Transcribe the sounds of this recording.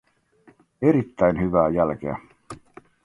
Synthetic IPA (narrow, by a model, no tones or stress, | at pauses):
eɾit̪ːæjnɦyʋæːjælk̟eæ̰